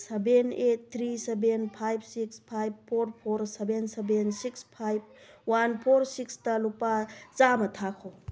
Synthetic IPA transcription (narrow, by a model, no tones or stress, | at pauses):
sebenet̚t̪ʰːɾisebenpʰajb̚sikspʰajb̚pʰoɾpʰoɾsebensebensikspʰajb̚wanpʰoɾsikstɐlupat͡ʃamɐtʰakʰo